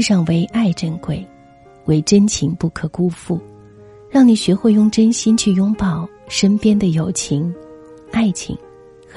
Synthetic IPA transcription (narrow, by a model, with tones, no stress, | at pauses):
ʂɑ˥˩ŋwe˧˥ɪʔa˥˧ɪʈ͡ʂə˥˧nkwe˥˩ɪ | we˧˥˩ɪʈ͡ʂə˥nt͡ɕʰi˧˥ŋpu˥˩kʰɤ˨˩ku˥fu˥˩ | ɻɑ˥˩ŋni˨˩ɕɥɛ˧˥xwe˥˩ɪjʊ˥˩ŋʈ͡ʂə˥nɕi˥nt͡ɕʰy˥˩jʊ˥ŋpɑ˨˩ʊ | ʂə˥npjɛ˥nd̪ə˨jo˨˩ʊt͡ɕʰi˧˥ŋ | a˥˩ɪt͡ɕʰḭ˨˧˩ŋ | x